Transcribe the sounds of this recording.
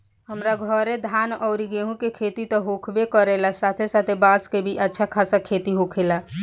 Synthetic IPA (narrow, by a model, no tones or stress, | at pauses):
ɦəmɾaɡʱəɾed̪ʱanɔʊɾiɡeɦũkekʰet̪it̪ɔɦokʰbekəɾelasat̪ʰesat̪ʰebãskebʱiʔətːʃʰakʰasakʰet̪iɦokʰela